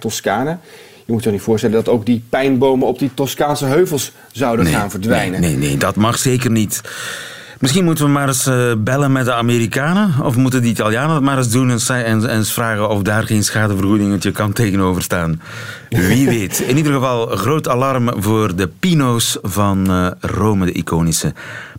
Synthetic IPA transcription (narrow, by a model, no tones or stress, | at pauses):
tɔskaːnə | jəmutjəxnitfʊːɹstɛləndɑtowɡ̚dipɛjnbowməɔp̚ditɔskaːnsəɦøɥvəlˠs | zɑwdənḛaːnvəɹdʋɛjnənḛnḛdɑtmɑχseːkərnit | mɪsxinmutəʋəmaːɾəsbɛlənmɛt̚dəameːɾikaːnəɔ̰fmut̬əndəitalˠjaːnəmaːɾɪzdunɛnsɛnɛnsfraːɣəɔfdaːrɣensxaːdəvərɣudɪŋətjəkɑntejɣənoːvərstaːn | ʋiʋetɪnidərɣəvɑlˠɣroːtalɑrmvoːrdəpinowsvɑnroːmədəʔḭkʰoːnisə